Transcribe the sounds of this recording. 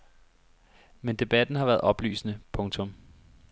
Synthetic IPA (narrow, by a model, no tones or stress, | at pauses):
mend̥e̝b̥æd̥n̩hɑ̈ʋæːɐð̞̩ˠʔɒ̽b̥ly̰ːsnəpʰɔ̽ŋt͡sʰɔ̽m